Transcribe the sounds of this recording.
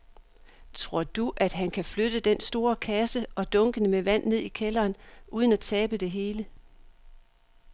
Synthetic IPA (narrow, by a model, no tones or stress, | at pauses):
t͡sʰʁo̝ɐ̰d̥uʔæd̥ɦænkʰæflød̥əd̥ensd̥o̝ːɐkʰæsəʔɒ̽d̥ɔ̽ŋɡ̥ənəmeʋæn̰ne̝ð̞̰ˠikʰelɐːnuːð̞ˠənæt͡sʰɛːb̥əd̥e̝ɦe̝ːlə